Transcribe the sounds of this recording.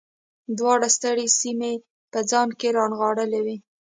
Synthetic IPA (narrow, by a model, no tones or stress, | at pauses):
d̪wɑɽast̪aɽesime | pəd͡zɑnkeɾɑnɣɑɽəlewi